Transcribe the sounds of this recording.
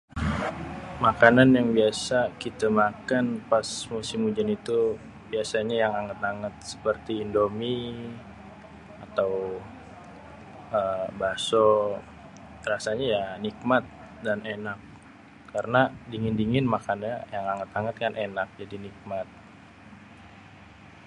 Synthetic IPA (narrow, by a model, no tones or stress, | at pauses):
makananjaŋbiasakit̪amakanpasmusɪmud͡ʒanit̪u | biasaɲajaŋaŋət̪̚aŋət̪̚sə̥pərt̪iːndomi | at̪aw | əbaso | rasaɲajanik̚mat̪̚ | danenakː | aɾənadiŋɪndiŋɪnmakanjajaŋaŋət̪aŋət̪̚kanʔenak̚d͡ʒadinik̚mat̪̚